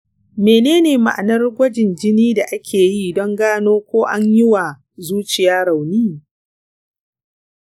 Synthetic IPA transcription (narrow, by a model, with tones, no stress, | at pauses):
meː˨neː˦neː˨ma̰˨ʔa˨nɐ˦rɡʷɐ˦d͡ʒɪ˨nd͡ʒɪ˦niː˦da˨ʔa˦kʲʰeː˨ji˦dɔ˦ŋɡaː˦noː˦kʷoː˦ʔa˦ɲjɪ˦wa˨ | zuː˦t͡ʃɪ˨jaː˦ɽa˨wniː˦